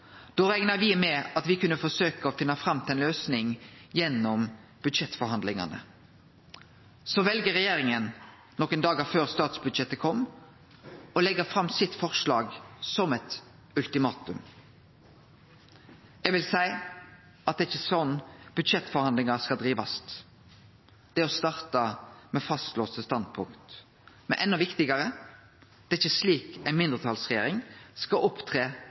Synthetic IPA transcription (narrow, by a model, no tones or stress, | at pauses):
d̪̥oːɾɛŋnəʋɪmɛɑt̪ʋɪkʉnːəfɔsøːkəɔfɪnːəfʁɑmːt̪ʰɪɛnløːsnɪŋjɛnːɔmb̥ʉd̪ʃɛt̪fɔɾhɑnd̪lɪŋɑ̰nə̰ | sɔʋɛlɡəʁɛjeːɾɪŋən | nɔkənd̪ɑːɡɑføːʁst̪ɑːt̪sbʉd̪ʃɛt̪ːəkʰɔmː | ɔlɛɡəfɾɑmːsɪt̪fɔʁʂlɑ̰ːɡsɔmɛt̪ | ʉlt̪ɪmɑːt̪ʉm | ɛɡʋɪlsæɪ | ɑt̪̚d̪ɛːɪçːəsɔnːb̥ʉd̪ʃɛt̪ːfɔɾhɑnd̪lɪŋəskɑd̪ʁiːʋɑst̪ | d̪̥ɛɔst̪ɑːʁt̪ɑmɛfɑst̪loːst̪əst̪ɑnd̪̚pʰʊŋkt̪ | mɛ̰nʔɛnːɔʋɪkt̪ɪɡəɾə | t̪ɛːɪçːəsliːkæɪnmɪnd̪ʁət̪ʰɑlsʁɛjeːɾɪŋskɑʔʊpt̪ʰʁeː